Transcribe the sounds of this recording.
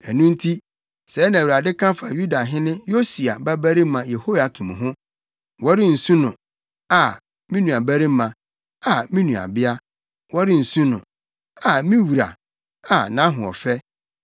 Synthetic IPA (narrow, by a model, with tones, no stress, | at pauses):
ɛ˨nũ˦n̩˦tʰi˦ | sɛː˨˦nã˨wu˨ɾa˨dɪ˦kʰã˦fa˨ju˦da˨ɦɪ̃˦nɪ̃˦jo˦si˨a˨bæ˦bæ˦ɾi˦mã˨je˨ho˦ja˨kʰĩ˨m˨ɦʊ̃˦ | wɔ˦ɾɪ˦n̩˨sũ˦nʊ̃˨ | a˨ | mĩ˦nũ˨a˨bæ˦ɾi˦mã˨ | a˨mĩ˦nũ˨a̰˨bɪ˦a˦ | wɔ˦ɾɪ˦n̩˨sũ˦nʊ̰̃˨ | a˨mĩ˦wu˨ɾa̰˨ | a˨nã˨˦ɦʊ̃˨ɔ̰˨fɛ˦